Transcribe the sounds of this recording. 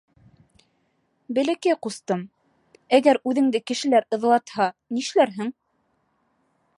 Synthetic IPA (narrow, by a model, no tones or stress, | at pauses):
bɘ̆lɘ̆kæqust̪ɤm | æɡæɾʉðɘ̆ŋd̪ɘkɘ̆ʃɘ̆læɾɤ̆ðlˠɑt̪hɑniʃlæɾɦɘŋ